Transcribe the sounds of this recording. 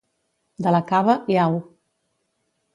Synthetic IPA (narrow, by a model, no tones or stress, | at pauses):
d̪ələkaβəʔiaw